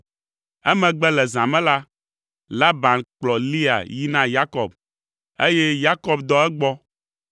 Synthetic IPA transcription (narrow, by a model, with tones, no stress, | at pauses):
ɛ˦mɛ̃˨ɡ͡bɛ˦lɛ˨zã˨mɛ̃˦la˦ | la˦ba˨nk͡plɔ˨li˦a̰˨ji˦nã˦ja˦kɔ˨b | e˦jɛ˦ja˦kɔ˦bd̪ɔ˦ɛ˦ɡ͡bɔ˦